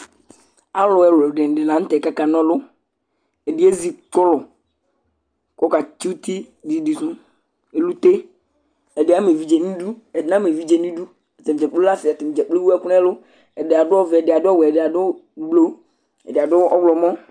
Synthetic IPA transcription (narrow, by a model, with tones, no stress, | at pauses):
a˦lʊ˨ɛ˨lʊ˨ɖɪ˨n˨dɪ˨lã˨n̩˦t̪ɛ˨ka˦ka˨nɔ̃˦lʊ˦ | ɛ˨dɪ˨˦e˦zi˨tʊ˦lɔ˨ | kɔ˦ka˨t͡ʃi˦t̪i˦ | di˨di˨sʊ̃˦ | e˨lu˦t̪e˦ | ɛ˨dɪ˨˦a˦me˨vi˦d͡ʒe˨nĩ˦du˦ɛ˨dɪ˦nã˦m˨e˨vi˦d͡ʒe˨nĩ˦du˦ | ɛ˨zɛ˨m˨d͡ʒɛ˨k͡plo˦la˦sɪ˨a˨t̪ɪ˨m˨d͡ʒɛ˨k͡ple˦wu˦ɛ˦kʊ˦n˦ɛ˦lʊ˦ | ɛ˨dɪ˨a˨dʊ˦ɔ˦vɪ˨ɛ˨dɪ˨a˨dʊ˦ɔ˦wɛ˨dɪ˨a˨dʊ˦ɡ͡blo˦ | ɛ̰˨dɪ˨a˨dʊ˦ɔ˦wlɔ˨mɔ̃˦